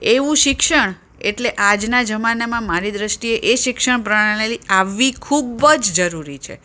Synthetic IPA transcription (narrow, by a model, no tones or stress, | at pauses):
eʋũʃɪkʃəɳ | eʈleʔad͡ʒnad͡ʒəmanamãmaɾid̪ɾəʃʈieʔeʃɪkʃəɳp̬ɾəaɽ̃eliaʋːikʰubəd͡ʒd͡ʒəɾuɾit͡ʃʰḛ